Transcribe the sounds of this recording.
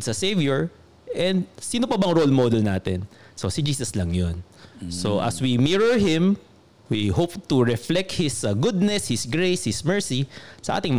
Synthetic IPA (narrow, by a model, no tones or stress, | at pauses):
sɐsejvjʊɹ | ʔɛnd̪̚siːnopɐbɐɐŋɹolmod̪ɛlnaːt̪ɛ̰n | so̞sɪd͡ʒiːsɐslɐŋjonsoʔɐ̰swimiɹɔɹɦɪ̃m | wihopt̪uɹɛflɛk̚t̪̚hɪsɡʊd̪̚nɛshɪsɡɹejshɪsmɛɹsisɐʔa̰ːt̪ɪŋmɐ